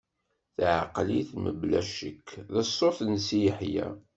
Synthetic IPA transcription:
θʕaqliθmə̰blæʃəkːðəsːoθnsijəħjæ̰

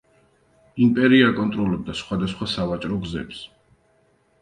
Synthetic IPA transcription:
impʼɛɾiaːkʼɔnt̪ʼɾɔlɛb̚d̪asχwad̪asχwasavat͡ʃʼɾɔɡzɛ̰ps

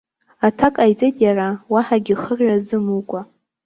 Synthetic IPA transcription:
atʰakʼajt͡sʼejtʼjarawaħaɡʲiχərjazɨmukʷʼa

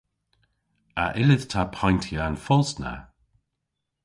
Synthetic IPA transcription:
a̰ʔɪlɪð̥tʰapʰajntʰijəanfɔlˠsna̰

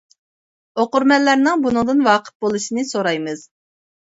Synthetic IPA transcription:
oqʊɾmɛlːæɾnɪŋbunɨŋd̪ɨnwɑːqʰə̥t̪̚bolˠuʃinɨsoɾɑjmɨz̥

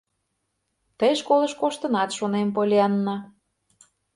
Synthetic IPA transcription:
t̪əjʃkolɤ̆ʃkoʃt̪ənɑt̪ʃonemp̬olʲiɑnːɑ

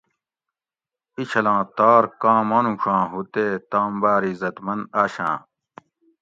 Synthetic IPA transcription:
it͡ɕʰɐlãːt̪aːɾkãːmɐ̃ːnũʂʰãːɦut̪eːt̪ãːmbaːɾizɐt̪mɐnaːɕã̰ː

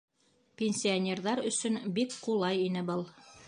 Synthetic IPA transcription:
pʲenʲsʲionʲerðɑɾɵ̆sɵnbikqulˠɑjinɘbɤlˠ

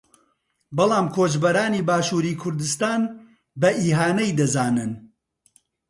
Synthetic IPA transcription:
bɨlˠaːmkʰoːt͡ʃbɐɾaːniːbaːʃuːɾiːkʰʊɾd̪ɨst̪aːn | bɐʔiːɦaːnɐjd̪ɐzaːnɨn

